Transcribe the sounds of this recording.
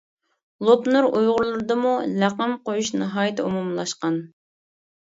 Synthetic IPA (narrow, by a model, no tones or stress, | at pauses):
lˠopnuɾujʁʊɾlˠɨɾɨd̪ɨmulæqəmqojuʃnɨɦɑːjɪt̪ʰɛumumlˠɑʃqɑn